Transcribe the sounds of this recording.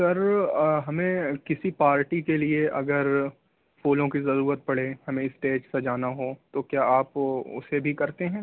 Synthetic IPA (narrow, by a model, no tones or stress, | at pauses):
sɐɾɦɐmẽkɪsipaːɾʈikelieʔɐɡəɾ | foːlõkizɐɾuːɾət̪̚pɐɽehɐmẽɪsʈeːd͡ʒsɐd͡ʒaːnaɦot̪okjaːaːpʊ̰sebʱikɐɾt̪eɦɛ̃ː